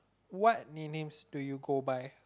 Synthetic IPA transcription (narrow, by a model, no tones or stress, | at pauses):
wɔt̚ninẽmsd̥ujuɡobaj